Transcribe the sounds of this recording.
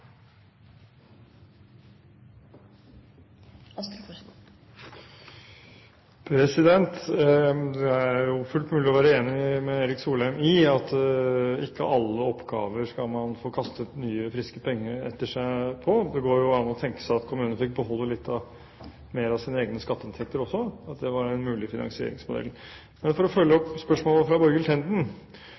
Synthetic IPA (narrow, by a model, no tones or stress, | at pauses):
pʰɾɛsɪd̪ɛnt̪ | d̪ɛææɾjʊfʉlt̪mʉːlɪɔʋæːɾəeːnɪmɛeːɾɪksuːlæɪmɪɑt̪ | ɪkːə̰ʔɑlːəɔpːɡ̥ɑ̰ːʋəɾʂkɑlmɑnfoːkʰɑst̪ət̪nyːəfɾɪskəpʰɛŋːəɾɛ̰t̪ːəʂæɪpʰɔd̪ɛɡoːɾjʊɑnːɔt̪ʰɛŋkə̥sæɑt̪kʰʊmʉːnənəfɪk̚bəhɔlːəlɪt̪ʰːɑ | meːɾɑsiːnəeːɡənəskɑt̪ːəɪnt̪ʰɛk̚t̪əɾɔsːɔɑt̪d̪ɛʋɑɾɛnmʉːlɪfɪnɑ̰ŋsɪḛːɾɪ̰ŋsmʊd̪ɛ̰l | mɛnfɔɾɔfœljːəɔpːspœʂmoːlˠəfɾɑbɔɾɡəlt̪ʰɛnd̪n̩